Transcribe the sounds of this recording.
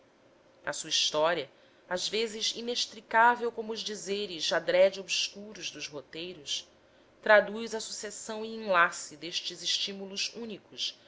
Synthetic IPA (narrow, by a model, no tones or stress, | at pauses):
ɐsuɐiʃt̪ɔɾiɐ | azvezɪzineʃt̪ɾikavewkõmʊːzd͡ʒizeɾizad̪ɾɛd͡ʒiobskuɾuzd̪ʊzɦot̪ejɾʊs | t̪ɾad̪ujzɐsusesɐ̃w̃iĩlasid̪eʃt͡ʃɪzɪʃt͡ʃimuluzũnikʊs